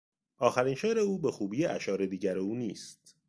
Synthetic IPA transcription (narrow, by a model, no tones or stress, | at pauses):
ʔɒːxæɾiːnʃeːɾe̞uːbe̞xuːbiːjeʔæʃɒːɾe̞d̪iːɟæɾeuːniːst̪̚